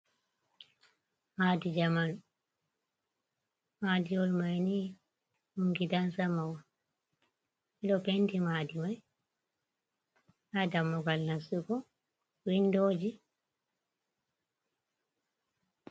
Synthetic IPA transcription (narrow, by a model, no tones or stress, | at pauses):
maːdid͡ʒaman | maːdijɔlmajni | uŋɡidansamawa | ɛɗɔpentimaːdimaj | adamːɔɡalnasukɔ | windod͡ʒi